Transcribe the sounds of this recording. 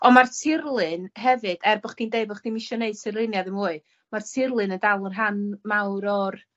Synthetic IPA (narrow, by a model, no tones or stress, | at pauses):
ɔmartʰɪrlˠɨnɦɛvɨd̥ɛrbɔχd̥iːndeɨbɔχd̥imɪʃɔneɨd̥sɪrlˠɪnjaðɪmuːɨ | martʰɪrlˠɨnəndalˠərɦanmawɾɔr